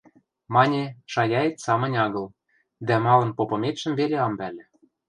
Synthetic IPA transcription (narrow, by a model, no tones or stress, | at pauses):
mɑnʲeʃɑjɑet̪sɑmə̆nʲɑɣɤ̆l | d̪æmɑlɤ̆npopɤ̆met̪ʃə̆mvelʲeɑmbælʲĕ